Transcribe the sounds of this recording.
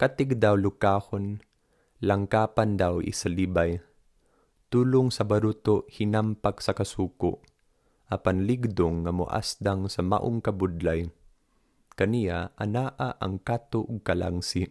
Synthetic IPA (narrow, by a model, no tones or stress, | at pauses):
kat̪ɪɡ̚d̪awlʊkaːhon | laŋkaːpand̪awʔḭsalibaj | t̪uːlʊŋsɐbaɾut̪ohɪnampaksɐkasuːkʊ̰ʔ | ʔapanlɪɡd̪ʊŋːamʊ̰ʔa̰sd̪aŋsɐma̰ʔʊŋkɐbʊd̪laj | kɐnijaʔɐnaːʔaʔɐ̰ŋkat̪oʔʊɡ̚kala̰ŋsi